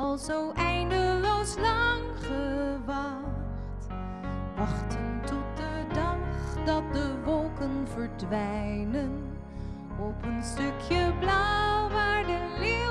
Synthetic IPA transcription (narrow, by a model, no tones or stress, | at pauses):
ɑlˠzowʔɛjndəlowslɑŋ | χəʋɑ | χt | ʋɑχtəntɔt̚dədɑχdɑt̚dəʋɔlˠkənvəɹdʋɛjjnən | ɔpənstøkʰjəblawʋaːɹdəli